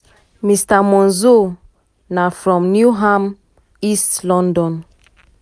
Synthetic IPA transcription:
mistamɔ̃nzo | nafɾɔ̃mnjuɦam | istlɔ̃ndɔ̃n

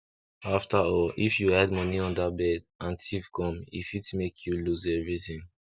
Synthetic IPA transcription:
aftʰaɔlifjuadmɔniɔ̃ndat̚bɛd | ãntʰivɡɔ̃mḭfitmekʰjuluzɛvɹiθĩŋ

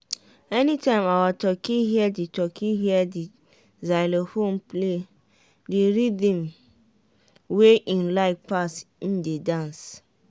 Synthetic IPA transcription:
ɛnitãɪ̃mawatɔkiɦiɛditɔkʰiɦiɛdi | zaɪlohõmple | diɾidĩm | weʔĩnlaɪfpasn̩dedãns

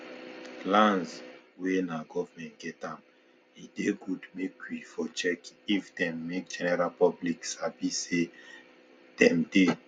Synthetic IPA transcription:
plãnzswenaɡɔvamɛ̃ntɡ̥ɛtãm | ideɡudmekʰwifɔt͡ʃɛkifdɛ̃mːek̚d͡ʒɛnɛɹalpɔbliksabise | d̥ɛ̃mde

